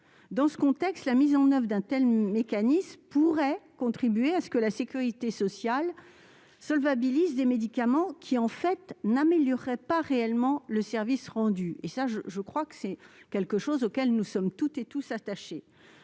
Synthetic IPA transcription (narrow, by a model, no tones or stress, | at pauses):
d̪ɑ̃sə̥kɔ̃t̪ɛkst̪lamizɑ̃nœvʁd̪ɛ̃t̪ɛlmekanismpuʁɛkɔ̃t̪χibɥeasə̥kəlasekʲyʁit̪esɔsjal | sɔlvabilizd̪emed̪ikamɑ̃kʲʰiɑ̃fɛt̪nameljɔʁːɛpaʁeɛlmɑ̃ləsɛʁvisʁɑ̃d̪yesaʒəʒəkχwakə̥sɛkʲɛlkəʃozokʲɛlnusɔmt̪ut̪et̪usat̪aʃe